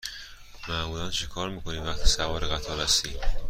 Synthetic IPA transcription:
maʔmulant͡ʃʰikʰɒɾmiːkʰonivaχt̪ʰi̥savɒɾiɣat̪ʰɒɾast̪i

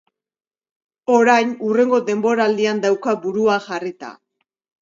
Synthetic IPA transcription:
o̞ɾajnure̞ŋɡo̞d̪e̞mbo̞ɾald̪iand̪awkabuɾuaʝarit̪a̰

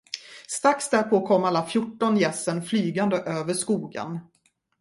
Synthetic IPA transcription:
st̪ɾaksd̪æɾpʰoːkʰɔmalːafjʊʈːɔnjɛsːənflyːɡand̪əʔøːvəʂkuːɡə̰n

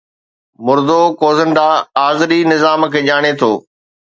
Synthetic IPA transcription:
mʊɾd̪okoːzənɖaaːzɾinɪzaːmkʰeːʄaːɽ̃et̪ʰoː

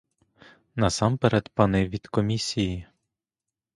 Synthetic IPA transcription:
nɐsɑmpeɾɛt̪pɑnɪʋʲid̪̥kɔmʲisʲiji

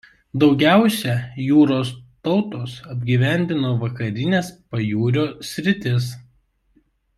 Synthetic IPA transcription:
d̪ɒʊɡʲæˑʊsʲɛjuːɾoːst̪ɒʊt̪oːsɐbʲɡʲiːʋʲæˑnʲd̪ʲɪnoːʋɐkɐɾʲɪnʲeːspɐjuːɾʲoːsʲɾʲɪt̪ʲɪs

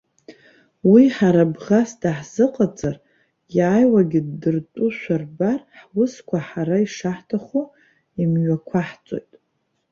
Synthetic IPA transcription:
wiħaɾabʁasdaħz̥ɨqʼat͡sʼar | jaːjwaɡʲɪdːɨrtʷʼuʃʷarbarħwʊskʷʰaħaɾaiʂaħtʰaχu | imɥakʷʰaħt͡sʼo̞̰jtʼ

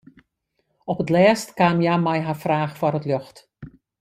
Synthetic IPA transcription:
ɔpətlɛːstkaːmjamɛjɦarfraːxfɔrətløxt

